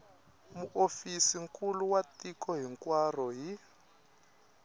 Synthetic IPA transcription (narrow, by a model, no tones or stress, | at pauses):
muʔofisiŋkʰʼuluwatikʰɔɦiŋkwar̤ɔɦi